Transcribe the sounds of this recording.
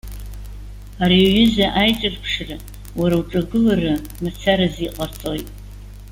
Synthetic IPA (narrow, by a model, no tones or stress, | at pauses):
aɾiɥʏzaʔajt͡ʃʼɨrpʰʂra | waɾawʈ͡ʂʼaɡɨlarɨ | mat͡sʰaɾaziqʼat͡sʰʼo̞jtʼ